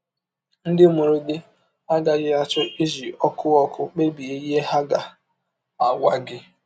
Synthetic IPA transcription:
n̩˦dɪ˦mo˨ɾo˦dɪ˦ | a˦ɡa˨ɣɪ˦a˦t͡ʃʊ˦i˦zi˨ɔ˦kʊ˦ɔ˦kʰʊ˦k͡pe˦bi˨e˦je˦ha˦ɡa˨ | a˨wa˦ɡɪ˦

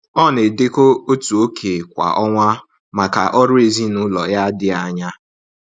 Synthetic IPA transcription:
ɔ˦˨ne˨de˦ko˦o˦tu˨o˦kʰe˨kʷa̰˨ʔɔ˦ŋʷa˦ | ma˨ka̰˨ʔɔ˦ɾʊ˦e˨zi˦nʊ˦lɔ̰˨ja˦dɪ˦a˨ɲa˦

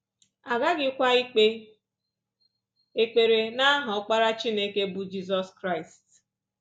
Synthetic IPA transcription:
a˨ɡa˦ɡɪ˦kʷa˦i˦k͡pe˦ | e˨k͡pe˨ɾe˨na˦ɦʊ˨˦k͡pa˦ɾa˦t͡ʃi˦ne˦ke˦bʊ˦d͡ʒi˦z̬ɔ˦skɾa˦ɪ˨st

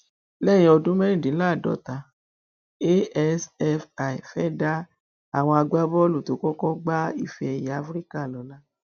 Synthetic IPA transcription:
lɛ˦˨j̃ĩ˧ɔ˧dũ˦mɛ˦ĩ˦˨dĩ˨˦la˦˨dɔ̰˨˦ta˧ | e˦ɛ˦sɛ˦fa˨i˨fɛ˦da˦ | a˦˨w̃ɔ̃˧a˧ɡ͡ba˦bɔ˦lu˦˨to˨˦kɔ˦kɔ˦ɡ͡ba˦i˦˨fɛ˧ɛ˧˨ja˨˦fɾi˦ka˦˨lɔ˨˦la˦

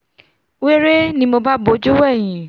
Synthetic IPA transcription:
we˦ɾe˦nĩ˧mo˧ba˦bo˨˧˦d͡ʒu˦wɛ˦˨j̃ĩ˨

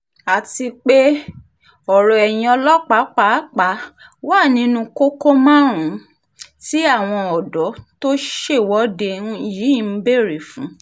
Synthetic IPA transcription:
a˨ti˧k͡pe˦ | ɔ˨ɾɔ˨ɛ˨j̃ĩ˧ɔ˧lɔ˦k͡pa˨˦k͡pa˨˦k͡pa˨˦ | wa˦˨nĩ˨˦nũ˧˦ko˦ko˦mã˦ɾ̃ũ˨˦ | ti˦a˦˨w̃ɔ̃˧ɔ˨dɔ˨˦to˦ʃe˦˨wɔ˨˦de˧n̩˦ji˨˦˨m̩˦be˦˨ɾe˨fũ˨˦

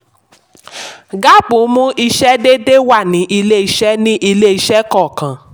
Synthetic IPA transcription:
ɡa˦bũ˨˦mũ˦ʔi˧ʃɛ˦de˦de˦wa˦˨nĩ˨˦ʔi˧le˦i˧ʃɛ˦nĩ˦ʔi˧le˦i˧ʃɛ˦kɔ˦˨kã˨˦

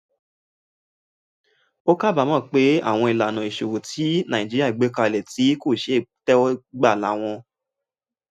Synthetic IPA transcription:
o˦ka˦˨ba˨mɔ̃˦˨k͡pe˨˦a̰˦˨w̃ɔ̃˧i˨la˨nã˨i˨ʃo˨wo˨tʰi˨˦nã˨ĩ˨d͡ʒi˦i˦a˦˨i˨ɡ͡be˨˦ka˧˨lɛ˨ti˨˦ko˦˨ʃe˦˨tɛ˦ɔ˦ɡ͡ba˦˨la̰˨˦w̃ɔ̃˧

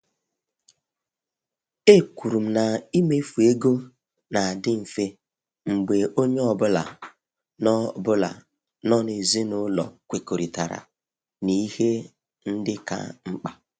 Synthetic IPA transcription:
e˦˨kʷu˨ɾu˨m̩˨na˨i˦me˦fu˨e˦ɡo˦ | na˨a˨dɪ˦ɱ̩˨fe˦ | ŋ͡m̩˨ɡ͡be˨o˦ɲe˦ɔ˨bʊ˦la̰˨ | nɔ˦bʊ˦la̰˨ | nɔ˦ne˨zi˦nʊ˦lɔ̰˨kʷe˨ko˨ɾi˨ta˨ɾa̰˨ | ni˦he˦ | n̩˦dɪ˦ka̰˦ŋ͡m̩˦k͡pa˨

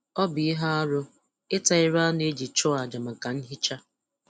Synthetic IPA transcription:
ɔ˦bi˨i˦ɦa˦ɔ˦ɾʊ˦ | ɪ˦ta˨ɪ˦ɾa˦ne˦d͡ʒi˨t͡ʃɔ˦a˨d͡ʒa˨ma˨ka˨n̩˦ɦɪ˦t͡ʃa˦

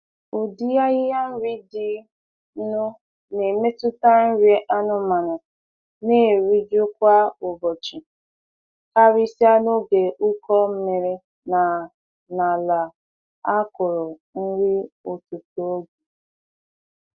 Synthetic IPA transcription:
ʊ˨di˦ja˦ɣɪ˦ja˦n̩˦ɾi˦dɪ˦ | nʊ˦ | ne˨me˦tʊ˦ta˦n̩˦ɾi˦ʔa˦nʊ˦ma˨na˨ | neː˦˨ɾi˦d͡ʒo˦kʷa˦ʊ˨bɔ˨t͡ʃi˨ | ka˦ɾi˦si˦a˦no˦ɡe˨ʔʊ˦kɔ˦m̩˦me˨ɾe˦ | na˨ | na˨la˨ | a˦kʊ˨ɾʊ˨n̩˦ɾi˦ʊ˨tu˨to˨o˦ɡu˨

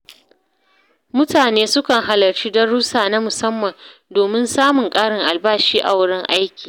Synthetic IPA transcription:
mʊ˦taː˨neː˦sʊ˦kɐ˨ŋɦa˨lɐ˨rt͡ʃi˦dɐ˦ɽʊ˦saː˨na˦mʊ˨sɐ˦mːɐ˨ndoː˨mɪ˦nsaː˦mʊ˨ŋkʼaː˦ɽɪ˨ŋʔa˨lbaː˦ʃiː˦ʔa̰˨wʊ˦ɽɪ˦ŋʔa˦jkʲiː˨

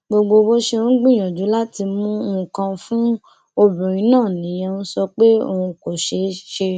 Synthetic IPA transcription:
ɡ͡bo˧ɡ͡bo˧bo˦ʃe˧ɾ̃ũ˦ɡ͡bĩ˦˨j̃ɔ̃˨d͡ʒu˨˦la˦ti˧mũ˦o˦˧ũ˨kã˧fũ˦ | o˧bũ˨ɾ̃ĩ˨˦nãː˦˨nĩ˨˦j̃ɛ̃˧nũ˦sɔ˧k͡pe˦o̰˧hũ˧ko˨ʃe˧ʃe˧

